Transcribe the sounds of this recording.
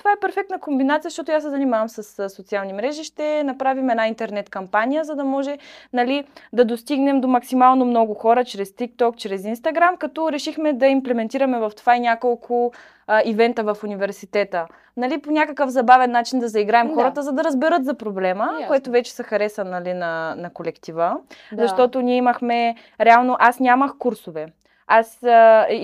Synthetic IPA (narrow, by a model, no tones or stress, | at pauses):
t̪ovaɛpɛɾfɛk̚t̪nəkombinat̪sijəz̥əʃt̪ɔt̪ʊjasɛzɐnimavəmsɐssot̪sialˠnimɾɛʒiʃt̪ɛnɐpɾavimɛdnaint̪ɛɾnɛt̪kɐmpanijəzɐd̪ɐmɔʒɛnɐlid̪ɐd̪ost̪iɡnɛmd̪omɐksimalˠnomnɔɡʊxɔɾət͡ʃɾɛst̪ik̚t̪ɔkt͡ʃɾɛsinst̪ɐɡɾamkɐt̪ɔɾɛʃixmɛd̪ɐimplɛmɛnt̪iɾɐmɛvɐft̪ovainʲjakolˠkʰʊ | ivɛnt̪əvɐfunivɛɾsit̪ɛt̪ə | nɐliponʲakəkəfzɐbavɛnːat͡ʃind̪ɐzɐiɡɾaɛmxɔɾət̪əzɐd̪ɐɾəzbɛɾɤt̪zɐpɾoblɛməkoɛt̪ovɛt͡ʃɛ̥səxɐɾɛsənːɐlinɐnɐkolɛkt̪ivəzɐʃt̪ɔt̪onʲiɛimɐxmɛ | ɾɛalˠnoʔasnʲaməxkuɾsovɛ | as